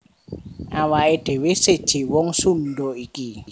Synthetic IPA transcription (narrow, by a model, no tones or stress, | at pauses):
awaed̥ʱewesetʰewɔŋsundɔiki